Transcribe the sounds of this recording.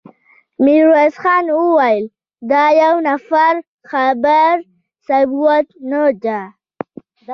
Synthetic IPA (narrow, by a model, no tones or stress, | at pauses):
miɾwasxɑnwuwajəl | d̪ɑjawnafaɾ | xabaɾ | sabuwat̪nod͡ʒa